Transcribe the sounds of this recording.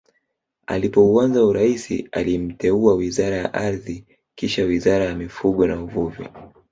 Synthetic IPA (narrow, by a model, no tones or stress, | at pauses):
a̰lipɔuanzauɾaisḭa̰lim̩tɛuawizaɾajaʔaɾði | kiʃawizaɾajamifuɠɔnauvuvḭ